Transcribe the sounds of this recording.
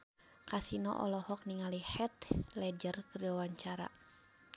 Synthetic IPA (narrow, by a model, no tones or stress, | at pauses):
kasinɔ̰ʔɔ̰lɔhɔk̚niŋalihɛt̪lɛd͡ʒərkərawaɲt͡ʃaɾa̰